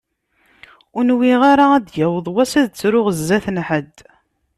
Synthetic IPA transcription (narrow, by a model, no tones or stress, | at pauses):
ʊnwiʁaɾaæd̪jæwəðˤwæsæðt͡sːɾʊʁəzːæθnħəd̪